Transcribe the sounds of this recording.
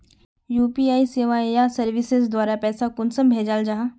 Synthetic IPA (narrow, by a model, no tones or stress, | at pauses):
juːpiːaːiseːʋajasɐɾʋɪsɪzd̪waːɾapɛːsakʊnsəmbʱeːd͡ʒaːld͡ʒaɦãː